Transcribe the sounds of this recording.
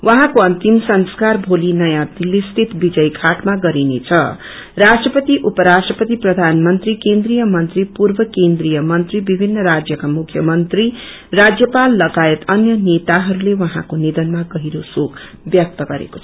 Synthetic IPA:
wʔʌɦãkoʌnt̪imsʌnskarbʱolinʌjãd̪ilːest̪ʰit̪bid͡zʌjkʰaʈmaɡʌɾinet͡sʰʌ̰ | rasʈrʌpʌt̪iʔupʌɾasʈrʌpʌt̪iprʌd̪ʱanmʌnt̪rikend̪rijʌmʌnt̪ripurbʌkend̪rijʌmʌnt̪ribibʱinːʌɾad͡zjʌkamukʰjʌmʌnt̪ri | rad͡zjʌpalːʌɡaet̪ʌnjʌnet̪aɦʌɾulewʌɦãkonid̪ʌnmaɡʌɦiɾosokʰ | bjʌk̚t̪ʌɡʌɾḛko̥t͡sʰʌ̥

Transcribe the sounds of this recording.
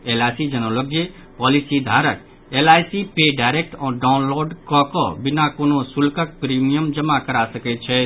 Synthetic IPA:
elajsid͡ʒənələk̚d͡ʒe | pɔːlisid̪ʱaɾək̚ | elajsipeɖaɪɾek̚ʈɔ̃ɖaʊnloɾɖkɔkɔ̰bɪnakonosulkək̚pɾimijəmd͡ʒəmakəɾasəkɛt̪t͡ʃʰɛ

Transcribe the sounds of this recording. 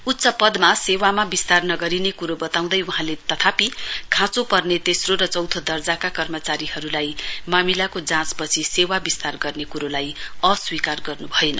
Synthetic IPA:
ut̪ːsʌpʌd̪masewamabist̪arnʌɡʌɾinekuɾobʌt̪aw̃d̪ʌjuɦãlet̪ʌt̪ʰapikʰãt͡sopʌrnet̪esroɾʌt͡sʌwt̪ʰʌd̪ʌrd͡zakakʌrmʌt͡saɾiɦʌɾulajmamilakod͡zãt͡spʌt͡sʰisewabist̪arɡʌrnekuɾolajʌswikarɡʌrnubʱʌenʌ

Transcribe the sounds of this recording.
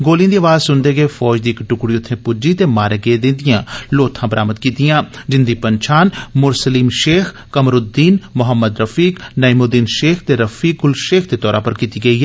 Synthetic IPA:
ɡoːlijãːd̪iːaʋaːzsʊnd̪eːɡəeːfʰɔːd͡ʒd̪iːkʈʊkɽiːʊt̪ʰːẽːpʊd͡ʒiːt̪eːmaːɾeːɡeed̪ɪ̃nd̪ɪjãːloːt̪ʰãːbəɾʔaːməd̪̚kiːt̪ijãːd͡ʒɪnd̪iːpəɲt͡ʃʰaːnmʊɾsəliːmʃeːkʰ | kəmɾʊd̪iːnmʊɦəmːəd̪ɾəfiːknəimod̪iːnʃeːkʰt̪eːɾəfʰiːkʊlʃeːkʰd̪eːt̪ɔːɾãːpəɾkiːt̪iːɡəiːɦɛ

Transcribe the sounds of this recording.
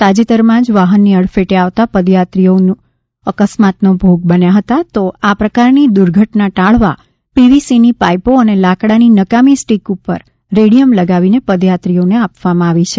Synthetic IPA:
t̪ad͡ʒit̪əɾmãd͡ʒʋaɦənːiəɭfeʈeaʋt̪apəd̪jat̪ɾijonu | əkəsmat̪nobʱoɡ̚bənjaɦət̪at̪oapɾəkaɾnid̪uɾɡʱəʈnaʈaɭʋa | piʋisinipajpoənelakɽaninəkamisʈikupə̰ɾ | ɾeɽijəmləɡaʋinepəd̪jat̪ɾijoneapʋamãaʋit͡ʃʰe

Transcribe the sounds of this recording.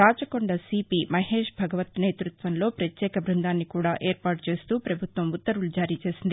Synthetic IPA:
ɾaːt͡ʃɐkoɳɖɐsiːpimɐɦe̞ːʂbʱɐɡɐʋɐt̪neːt̪ɾut̪ʋɐnlo̞ːpɾɐt̪jɛːkɐbʱɾund̪aːnːikuːɽaːʔeːɾpaːʈt͡ʃe̞ːst̪uːpɾɐbʱut̪ʋɐmut̪ːɐɾulud͡ʒaːɾiːt͡ʃe̞ːsind̪i

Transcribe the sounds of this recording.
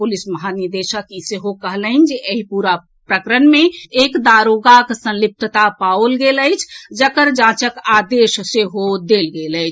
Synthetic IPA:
pulisməɦaniɾd̪eʃəkiseɦokəɦlənd͡ʒeʔəɦipuɾa | pɾəkɾənmeekd̪aɾoɡaksə̃llip̚t̪ət̪apaolɡeləjt͡ʃʰd͡ʒəkəɾd͡ʒãt͡ʃəkad̪eʃseɦod̪elɡeləjt͡ʃʰ

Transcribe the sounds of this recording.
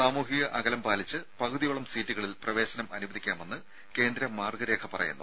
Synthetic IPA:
aːmuːɦiɣɐʔɐɡɐlɐmpaːlit͡ɕːɨpɐɣuðijoːɭɐmsiːtːuɣɐɭilprɐʋe̞ːɕɐnɐmɐnubɐðikʲːaːme̞nːɨ | ke̞ːnd̪ɾɐmaːrɡɐɾe̞ːkʰɐpɐrɐ̰junːɐ

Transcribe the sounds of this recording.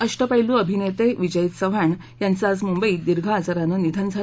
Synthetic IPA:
əʂʈəpəjluəbʱinet̪eʋid͡ʑəjət̪səʋ̤aɳ | jant͡sat͡smumbəiːd̪iɾɡʱaːt͡saɾanənid̪ʱənd͡zʱa

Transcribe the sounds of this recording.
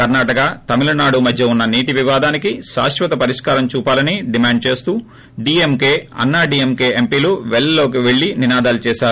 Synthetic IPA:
kɐɾnaːʈɐkat̪ɐmilɐnaːɽumɐd̪ʱjɐunːɐniːʈiʋiʋaːd̪aːnikiʃa̰ːʃʋɐt̪ɐpɐɾiʂkaːɾɐmt͡ʃuːpaːlɐniɖimaːɳɖ̚t͡ʃe̞ːst̪uː | ɖiːemkeːɐ̰nːaːɖiːemkeːempiːloːʋɛɭɐlo̞ːkiʋeɭːininaːd̪aːlut͡ʃɛːʃaːɾu

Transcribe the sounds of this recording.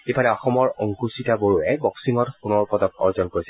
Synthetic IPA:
epalɛɔxɔmɔɹɔŋkusitaboɹuɛbɔksiŋɔtpunɔɹpɔtɔkɔ̰ɹzɔnkoɹisɛ

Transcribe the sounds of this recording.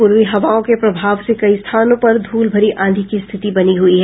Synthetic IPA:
pʊɾʋiɦɐʋaːõkepɾɐbʱaːʋsekɐist̪ʰaːnõpɐɾd̪ʱuːlbʱɐɾiʔʔãːd̪ʱikist̪ʰɪt̪ibɐniɦuiɦɛ

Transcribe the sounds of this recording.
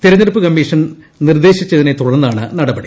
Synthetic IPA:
t̪iɾɐɲːɐɾupːɨkɐmːiːʂɐn | nird̪e̞ːɕit͡ɕːɐðine̞t̪uɽɐnːaːɳɨnɐɽɐbɐɽi

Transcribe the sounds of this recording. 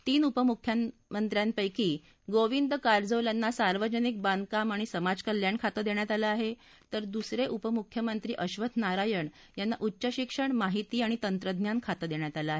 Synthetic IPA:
t̪iːnupəmukʰːjəmənt̪ɾjanpəjkiː | ɡoʋind̪əkaɾd͡zəʋljanːasaɾʋəd͡ʑənik̚band̪̚kamaɽ̃isəmad͡zkəljankʰat̪əd̪eɳjat̪alaaɦe | t̪əɾd̪usɾeʔupəmukʰːjəmənt̪ɾiːʔəɕʋət̪ʰnaɾajəɳ | janːaʔutːɕəɕikʂəɳmaɦit̪iːaɽ̃it̪ənt̪ɾəd̪ʱnjankʰat̪əd̪eɳjat̪alaaɦe

